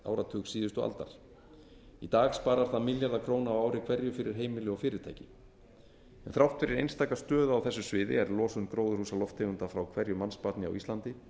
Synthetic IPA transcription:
a̰ːwɾat̪ʰʏːksiːðʏst̪ɔa̰lt̪a̰ɾ̥ | it̪aːɣspaːɾaɾ̥θaðmɪljaɾðakʰɾoːwnaːwaːwɾɪkʰvɛɾjʏfɪɾɪɾ̥ɦeːjmɪlʏɔfɪːɾɪɾ̥t̪ʰaːjcɪ | ɛnθɾawht̪fɪɾɪɾejnst̪aːkast̪œːðʏawθɛsːʏsvɪːðɪɛɾlɔːsʏʏnkɾoːwðʏɾhuːsalɔft̪ʰeɣʏnt̪afɾawkʰv̥ɛɾjʏmanspat̪nɪa̰wist̪ant̪ɪ

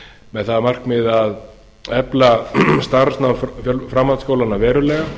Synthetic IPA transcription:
mɛðθaðamar̥kmɪðað | ɛplast̪aɾsnawffjœlfɾamːant̪skoːwlanavɛːɾʏlɛːɣa

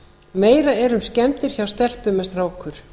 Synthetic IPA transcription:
meːjɾaɛɾʏmscɛmt̪ɪɾ̥çawst̪ɛl̥pʏmɛst̪ɾawkʰʏɾ̥

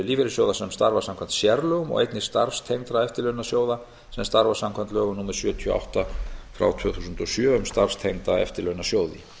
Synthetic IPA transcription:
liːvɪɾɪsjowðasɛmst̪aɾvasamkʰant̪sjɛɾlœɣʏmɔ̰ɣḛjt̪nɪ̥st̪aɾfst̪ʰejŋt̪ɾaɛft̪ɪlœnasjoːwða | sɛmst̪aɾvasamkʰvant̪lœːɣʏnuːmɛɾ̥sjœːt̪ʰiɔ̰a̰wht̪afɾa̰wt̪ʰvœːθusʏnt̪ɔsjœːʏmst̪aɾfst̪ʰejŋt̪aɛ̰ft̪ɪlœɥnasjoːwðɪ

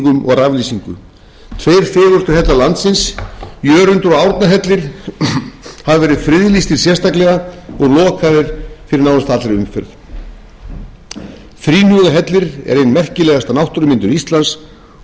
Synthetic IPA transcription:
kʏmɔ̰ɣɾavliːsiŋkʏ̰ | t̪ʰvejɾ̥fɪːlɔst̪ʏɾɦɛt̪lalant̪sɪnsjœːɾʏnt̪ʏɾɔɣawɾt̪naɦɛt̪lɪɾ̥ | havavɛːɾɪðfɾɪðlist̪ɪɾ̥sjɛr̥st̪aklɛɣaɔɣlɔːkʰaðɪɾ̥fɪɾɪɾnaːwðast̪at̪aɾɪʏmfɛ̰ɾð | fɾiːnuɣaɦɛt̪lɪɾɛ̰ɾejnmɛr̥cɪlɛːɣast̪anawht̪ʏɾʏmɪnt̪ʏɾist̪lans

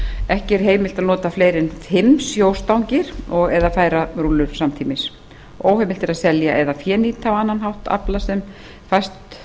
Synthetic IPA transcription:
ɛhcɪɛɾ̥ɦeːjmɪlt̪aðnɔːt̪aflejɾɪnt̪hɪmsjoːwst̪awɲcɪɾ̥ɔɣɛðafaːjɾarulːʏɾ̥samt̪ʰiːmɪs | owhɛmɪlt̪ɪɾaðsɛljaʔɛðafjɛːniːt̪awanːanɦawht̪a̰plasɛm | fajst̪

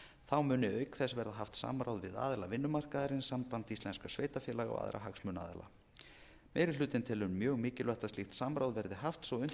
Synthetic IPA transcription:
θawmʏːnɪœːɥkθɛsvɛɾðaɦaft̪sa̰mɾawðvɪða̰ːðɪlavɪnːʏmar̥kaðaɾɪnsampant̪ist̪lɛnskasveːjt̪afjɛːlaɣa̰a̰ːðɾʔa̰ɦaksmʏna̰ːðɪ̰la̰ | mɛːjɾɪʏːt̪ɪnt̪ʰɪlʏnːjœːɣmɪːcɪlvɛht̪ast̪ixt̪samɾawðvɛɾðɪɦaft̪svɔʏn

